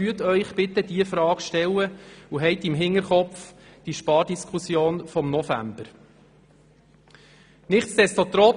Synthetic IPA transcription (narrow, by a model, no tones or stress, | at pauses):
yətœʏχb̥ɪt̪əd̪iəfɾɑːkʃtɛlːəuɦɛɪt̪imɦɪŋəɾχɔpfd̥iʃpɑːɾdiskʰusjoːnfɔmnɔfæ̰mb̥əɾ | nɪχt̪sd̪̥ɛstot̪ɾɔ